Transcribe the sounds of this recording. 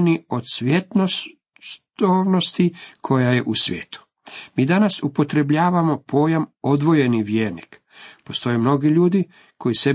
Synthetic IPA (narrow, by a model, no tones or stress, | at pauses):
nio̞d̪sʋjet̪no | t̪oʋno̞st̪ikʰo̞jaje̞ʔusʋʲjḛːt̪u̥ | miːd̪anasupo̞t̪ɾe̞bʎaːʋamo̞pʰo̞ːjamo̞d̪ʋo̞je̞niʋjeːɾnḭk | po̞st̪o̞jemno̞ɡiʎuːd̪i | kʰo̞jise